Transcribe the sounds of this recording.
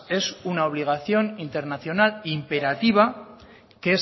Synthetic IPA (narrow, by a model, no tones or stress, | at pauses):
e̞sunao̞β̞liɣ̞aθjo̞nint̪e̞ɾnaθjo̞nalimpe̞ɾat̪iβ̞a | kee